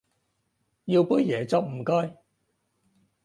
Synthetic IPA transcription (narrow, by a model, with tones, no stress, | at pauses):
jiː˧wpu˥jɛː˨˩t͡sɔ˨˩w̚m̩˨˩kɔː˥j